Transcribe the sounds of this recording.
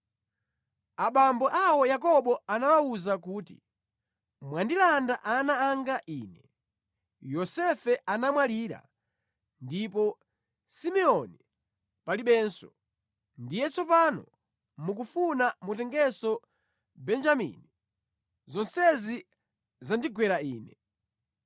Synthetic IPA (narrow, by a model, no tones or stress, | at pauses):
aɓambɔʔawɔjakɔɓɔanawauzakuːtḭ | mwandilandaʔanaːŋɡaʔiːnɛ | jɔsɛfɛʔanamwaliːɾa̰ | ndipɔ | simɛɔni | paliɓɛnsɔ | ndijɛt͡sɔpanɔ̰ | mukufunamutɛŋɡɛsɔ | bɛnd͡ʒamḭni | zɔnsɛzi | zandiɡwɛɾaiːnɛ